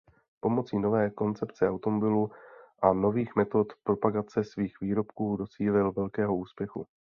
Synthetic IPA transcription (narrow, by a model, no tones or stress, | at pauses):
po̞mo̞t͡siːno̞vɛːko̞nt͡sɛpt͡sɛawt̪omobɪluʔano̞viːxmɛt̪o̞t̪pɾo̞paɡat͡sɛsviːxviːɾo̞pkuːdo̞t͡siːlɪlvɛlkɛːɦo̞uːspjɛxṵ